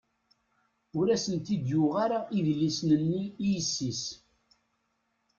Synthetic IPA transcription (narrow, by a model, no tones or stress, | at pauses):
ʊɾæsənt̪id̪jʊʁaɾaiðlisnənːiːjəsːis